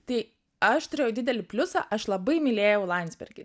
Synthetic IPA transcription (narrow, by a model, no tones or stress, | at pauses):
t̪ɐɪ | ɐʃt̪ʊɾʲeːjɛʊd̪ʲɪd̪ʲɛlʲɪpʲlʲʊsɑ̰ʔɐʃlˠɐbɐɪmʲɪlʲeːjɛʊlˠɐnʲzʲbʲɛ̰ɾʲɡʲɪ